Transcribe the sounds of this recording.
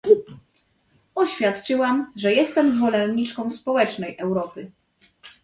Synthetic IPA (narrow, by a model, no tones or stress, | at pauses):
ɔɕfʲjat̪t͡ʂɘwamʐɛjɛst̪ɛmzvɔlɛnɲit͡ʂkɔ̃w̃spɔwɛt͡ʂnɛjʔɛwɾɔpɘ